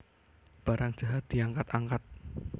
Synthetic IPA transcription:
b̥a̤ɾaŋ̥d͡ʒ̥a̤ɦat̪̚d̪̥i̤aŋkat̪aŋkat̪̚

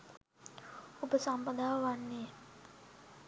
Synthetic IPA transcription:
ubəsampədawani

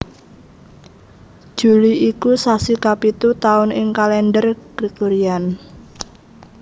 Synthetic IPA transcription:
d̥ʒ̥ṳliʔikusasikapit̪ut̪aʊnɪŋkalɛnɖərɡ̥ɾikoɾian

